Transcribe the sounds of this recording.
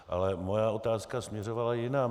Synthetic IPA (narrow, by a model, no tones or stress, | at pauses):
ʔa̰lɛmo̞jao̞t̪aːskasmɲɛro̞valajɪnaː